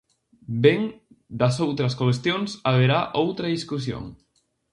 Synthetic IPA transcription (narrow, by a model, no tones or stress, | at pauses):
beŋ | d̪asowt̪ɾəskolest̪jonsaβeɾaʔowt̪ɾaðiskusjo̰ŋ